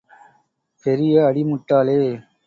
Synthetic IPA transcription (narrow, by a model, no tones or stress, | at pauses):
pɛɾɪjɐɐɽimʊʈːaːleː